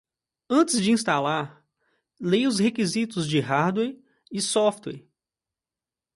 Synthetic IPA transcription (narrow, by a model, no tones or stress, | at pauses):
ɐ̃t͡ʃɪzd͡ʒɪĩst̪alaɾ | lejʊshekizit̪ʊzd͡ʒɪɦaɾd̪wɛɾ | ɪsɔft̪wɛ̰ɾ